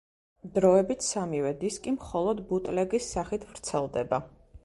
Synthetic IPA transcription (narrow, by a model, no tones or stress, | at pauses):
d̪ɾɔɛbit̪ʰsamivɛd̪iskʼimχɔlˠɔd̪but̪ʼlɛɡisːaχit̪ʰvɾt̪sʰɛlˠd̪ɛba